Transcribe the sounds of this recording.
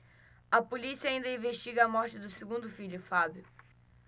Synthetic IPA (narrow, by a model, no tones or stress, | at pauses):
ɐpolisiɐːĩnd̪ɐĩveʃt͡ʃiɡɐɐmɔɾt͡ʃɪd̪ʊseɡũnd̪ʊfiʎʊfabjʊ